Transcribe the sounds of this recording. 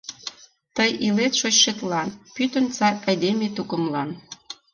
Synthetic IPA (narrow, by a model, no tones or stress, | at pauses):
t̪əjilet̪ʃot͡ɕʃet̪lɑnpyt̪ə̆nt͡sɑɑjd̪emʲet̪ukə̆mlɑn